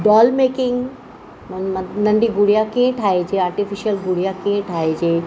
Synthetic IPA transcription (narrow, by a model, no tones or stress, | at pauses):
ɖɔːlmeːkɪ̃ŋɡ | nɐ̃ɳɖiɡuɽijakĩẽʈʰaːed͡ʒeaːɾʈifiʃiəlɡuɽijakĩẽʈʰaːed͡ʒeː